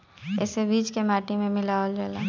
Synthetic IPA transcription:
ɛ̰ːsebiːd͡ʒkemaːʈimẽmɪlaold͡ʒɛla

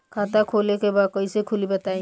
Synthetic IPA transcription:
kʰat̪akʰolekebad̪̚kɔisekʰʊlibət̪aĩ

